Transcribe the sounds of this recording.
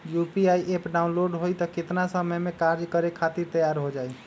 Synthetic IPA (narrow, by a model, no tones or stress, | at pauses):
jupiaiʔepɖaunloɖɦojt̪ɔkɪt̪nasəməjmẽkaɾd͡ʒkəɾekʰat̪iɾt̪əjaɾɦod͡ʒaːi